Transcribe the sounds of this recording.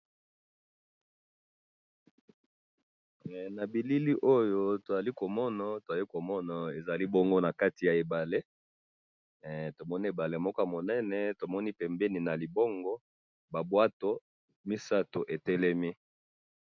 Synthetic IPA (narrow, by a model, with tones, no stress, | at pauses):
na˨bi˨li˦li˦ʔo˦jo˦to˨za˨li˦ko˨mɔ˦na˨to˨za˨li˦ko˨mɔ˦na˨e˨za˨li˦bo˦ŋɡo˦na˨ka˦ti˨ja˨e˨ba˨le˦ | to˨mɔ˦ni˦e˨ba˨le˨mɔ˦ka˦˨mo˨nɛ˦nɛ˨to˨mɔ˦ni˦pɛ˨mbɛ˦ni˨na˨li˨bo˦ŋɡɔ˦ | ba˨bwa˦to˦ | mi˦sa˦to˨ʔe˨tɛ˦lɛ˦mi˦